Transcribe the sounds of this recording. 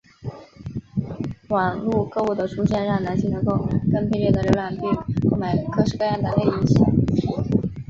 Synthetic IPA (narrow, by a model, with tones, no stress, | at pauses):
wɑ˨˩ŋlu˥˧kɤ˥˧u˥˩d̪ə˩ʈ͡ʂʰu˥ɕjɛ˥˧nɻɑ˥˩ŋna˧˥nɕi˥ŋnə˧˥ŋko˥˧ʊkɤ˥˧ŋpʰi˥˧ljɛ˥˩d̪ə˩ljo˧˥la˨˩npi˥˧˥ko˥˩ʊma˨˩ɪkʰɤ˥˧ʂɻ̩˧kɤ˥˧jɑ˥˩ŋt̪ə˨˩le˥˧ɪi˥˩t͡ɕʰi˥˩